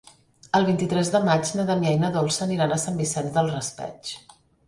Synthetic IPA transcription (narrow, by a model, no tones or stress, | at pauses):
əlˠβ̞int̪it̪ɾɛzðəmad͡ʒnəðəmiɛjnəðɔlˠsəniɾanəsambisɛnzðəlˠrəspɛ̰t͡ʃ